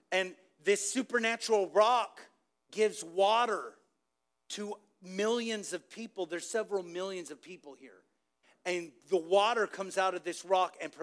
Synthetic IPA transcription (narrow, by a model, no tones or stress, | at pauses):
ɨ̃n | ðɪsʉpə˞næt͡ʃɹl̩ˠɹɑk | ɡ̥ɪvzwɔɾə˞ | ɾʰɨ | mɪlˠjɨ̃nzʌv̥pʰipl̩ˠðə˞z̥sɛvɹl̩ˠmɪlˠjɨ̃nzʌv̥pʰipl̩ˠhḭɹ | ɨ̃nðəwɔɾə˞kʰʌ̃mzaʊɾʌvðɪsɹɑkɨ̃npʰ